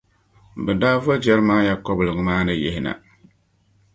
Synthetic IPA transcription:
bɛ˨daː˦vɔ˦d͡ʒɛ˦ɾmaː˦ja˦kɔ˦blɨ˨ŋ˨maː˦nɨ˨jḛ˦hɪ˨na̰˨

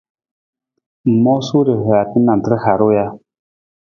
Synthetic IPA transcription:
mɔ˦su˦ɾe˨ɦɛ˨a˨ti˦na˨n˨tə˦ɾha˨ɾu˦ja˦

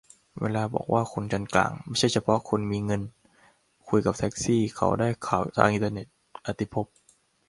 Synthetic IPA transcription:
wʔḛː˧laː˧bɔ̰ː˨˩k̚wʔaː˥˩kʰo˧nt͡ɕa˧nkla̰ː˨˩ŋma˥˩jt͡ɕʰa˥˩jt͡ɕʰa˧pʰɔ˦˥ʔkʰo˧nmiː˧ŋɤ˧n | kʰu˧jka˨˩p̚t̪ʰɛ˦˥k̚siː˥˩kʰa̰˨˩wdaː˥˩jkʰaː˨˩wt̪ʰa̰ː˧ŋʔi˧nt̪a˧ne˨˩t̪̚ʔa˨˧˩t̪i˦˩pʰo˦˥p̚

